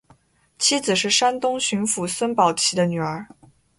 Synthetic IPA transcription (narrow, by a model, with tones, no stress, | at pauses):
t͡ɕʰi˥d͡zɹ̩˨˩ʂɻ̩˥˩ʂa˥nt̪ʊ˥ŋɕy˧˥ŋfu˧˥swə˥npɑ˨˩ʊt͡ɕʰi˧˥d̪ə˧ny˨˩ə˞˧˥